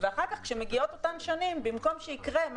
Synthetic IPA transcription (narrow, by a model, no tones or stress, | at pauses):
veaχaʁkaχkʃemeɡio̞t̪ot̪amʃonimbimko̞mʃeikʁem